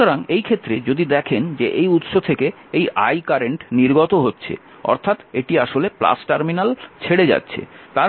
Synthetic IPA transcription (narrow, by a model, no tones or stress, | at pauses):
oɾaŋejkʰet̪ːɾed͡ʑod̪id̪ɛkʰend͡ʑeʔejut̪ʃot̪ʰeke | eja̰jkaɾeɳʈniɾɡot̪oɦotːɕʰḛ | ɔ̰ɾt̪ʰat̪eʈiaʃolepla̰sʈaɾminalt͡ɕʰeɽed͡ʑa̰tːɕʰḛt̪a